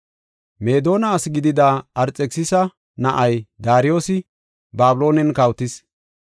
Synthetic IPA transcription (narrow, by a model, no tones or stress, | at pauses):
me̞ːd̪o̞ːnɐːsɡɪd̪ɪd̪aɐɾt͡sʼɛksɪsɐ | nɐʔɐjd̪aːɾɪjo̞ːsɪ | baːbʊlo̞ːnɛnkɐwt̪ɪs